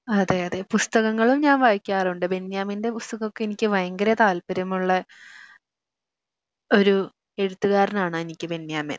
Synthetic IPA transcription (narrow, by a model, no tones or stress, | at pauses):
ɐðeɐðe̞pust̪ɐɣɐŋːɐɭumɲaːnʋaːjkʲːaːruɳɖɨbe̞nːjaːminde̞pust̪ɐɣokːeenikʲːɨʋɐjɐŋɡɐɾɐt̪aːlpɐɾɐmuɭːɐ | o̞ɾu | e̞ɽut̪ːuɣaːɾɐnaːɳɨenikʲːɨbe̞nːjaːmḛn